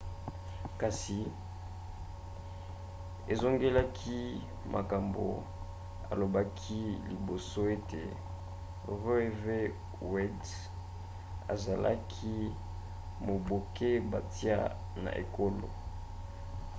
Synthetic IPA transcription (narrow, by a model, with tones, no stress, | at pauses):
ka˨si˨ | e˨zo˦ŋɡe˦la˦kʰi˦ | mʔa̰˨ka˨mbo̰˨ | a̰˨lo˨ba˦kʰi˦li˨bo˨so˦e˦tḛ˨ | ʁe˦˨ve˦ | wɛ˦d | a̰˨za˨la̰˦kʰi˦ | mo˨bo˨ke˦ba˨ti˦a̰˦ | na̰˨ʔḛ˨ko˦lo̰˨